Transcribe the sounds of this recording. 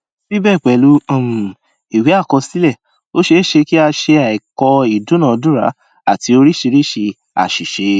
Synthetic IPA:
si˦bɛː˦˨k͡pɛ˨lu˨˦ɔ̃˦˨mũ˨ | i˨we˨˦a˦˨kɔ˧si˨˦lɛ˦˨ | o˦ʃe˧˦ʃe˧ki˦a˧ʃe˧a˨i˨kɔ˧i˨dũ˨˦nã˦˨˧dũ˦ɾa̰˨˦ | a˦˨ti˧o˧ɾi˦ʃi˧ɾi˦ʃe˧ | a̰˨ʃi˨ʃe˨˧˦

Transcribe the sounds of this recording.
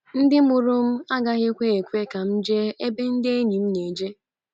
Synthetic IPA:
n̩˦dɪ˦mʊ˨ɾʊ˦m̩˦a˦ɡa˦ɣe˦kʷe˦e˨kʷe˦ka˨m̩˦d͡ʒe˦e˦be˦n̩˦dɪ˦e˦ɲi˨m̩˦ne˨d͡ʒe˦

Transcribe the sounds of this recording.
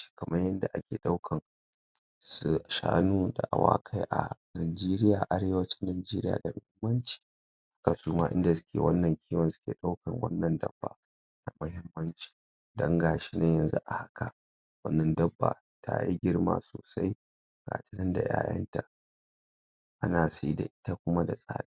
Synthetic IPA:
ʃkɐ˨mʔɐ˦jjɐ˦nda˨ʔa˦kʲeː˨ɗa˦wkʰɐ˨ŋ | sʃa̰ː˦nuː˦da̰˨ʔa̰˨wa̰ː˦kʰa˦jʔa̰˨naː˨d͡ʒeː˦ɾɪ˦jaː˨ʔa˦ɽeː˦wɐ˦t͡ʃɪ˦nːaː˨d͡ʒeː˦ɾɪ˦ja̰ː˨da˨mʊ˦hɪ˦mːɐ˦nt͡ʃi̥ː˨ | hḁ˦ka˨suː˦maː˦ʔɪ̰˦nda˨sʊ˦kʲḛː˨wɐ˦nːɐ˨ŋkʲiː˦wɐ˨nsʊ̥˦kʲeː˨ɗa˦wkɐ˨ŋwɐ̰˦nːɐ˨ndɐ̰˦bːa̰˨ | na˨mʊ˦hɪ˦mːɐ˦nt͡ʃi̥ː˨ | dɐ˦ŋɡaː˨ʃi˦ne˦jɐ˨nzṵ˦ʔa˨ha˦ka˨ | wɐ˦nːɐ˨ndɐ˦bːa̰ː˨ | tʰa̰˦i˦ɡʲɪ˦ɽma̰ː˦˨soː˨sa˦j | ɡ̥a̰ː˨tɪ˦nɐ˦nda̰˨ja̰ː˦jɐ̰˦nta˨ | ʔa˦naː˨si˦da̰˨ʔɪ˦ta˦kʷʊ˦ma˦da˨sʼa̰ː˦ɗi˦

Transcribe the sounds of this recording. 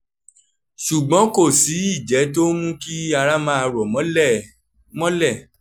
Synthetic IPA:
ʃu˨ɡ͡bɔ̃˨˦ko˦˨si˨˦i˦˨d͡ʒɛ˨˦to˦mũ˦ki˦a˧ɾa˦mã˧˦a˧ɾɔ˨mɔ̃˨˦ | mɔ̃˦lɛ˦˨

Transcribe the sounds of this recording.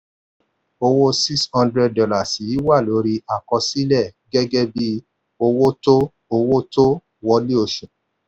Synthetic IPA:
o˧wo˦si˦kshɔ̃˦ndɾɛ˧ddɔ˨la˨si˨˦wa˦˨lo˨˦ɾi˧ʔa˨kɔ˧si˦lɛ˦˨ɡɛ˦ɡɛ˦bi˦ | o˧wo˦to˦ | o˧wo˦to˦ | wɔ˧le˦o˧˨ʃẽ˨

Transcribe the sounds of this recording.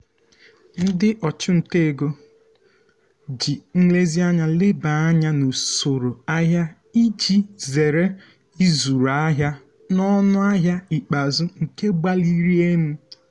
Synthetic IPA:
n̩˦dɪ˦ʔɔ˨t͡ʃʊ˦n̩˨te˦˨ɡo˦ | d͡ʒi˨ŋ̩˦le˦zi˦a˦ɲa˦le˦ba˨a˦ɲa˦no˨so˨ɾo˨a˦ɦja˦ | i˦d͡ʒi˦ze˨ɾe˦ | i˦zu˨ɾa˦ɦja˦ | nɔ˦nʊ˦a˦ɦja˦i˨k͡pa˨zʊ˦ŋ̩˨ke˦ɡ͡ba˦li˦ɾi˦e˦n̩˦

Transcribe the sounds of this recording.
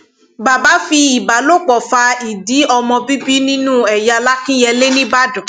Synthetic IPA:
ba˨ba˨˦fi˧i˨ba˨˦lo˦˨k͡pɔ˨fa˧i˨di˨˦ɔ˧mɔ̃˧bi˦bi˦nĩ˦nũ˦ɛ˨ja˧la˦kĩ˦jɛ˧le˦nĩ˦ba˦dɔ̃˨

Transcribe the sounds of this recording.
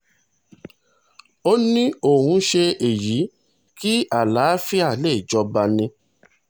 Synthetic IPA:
o˦nĩ˦o˦˨hũ˧ʃe˧e˨ji˨˦ | ki˦a˨la˨˦fi˦a˦˨le˦˨d͡ʒɔ˧ba˧nĩ˧

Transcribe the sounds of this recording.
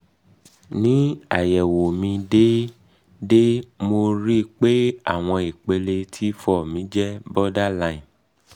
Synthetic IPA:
nĩ˨˦a̰˨jɛ˨wo˨mĩ˧de˦ | de˦mo˧ɾi˦k͡pe˦a̰˦˨w̃ɔ̃˧i˨k͡pe˧le˧tʰi˦fɔ˦˨mĩ˧˦d͡ʒɛ˦bɔ˦da˦lã˦ĩ˨

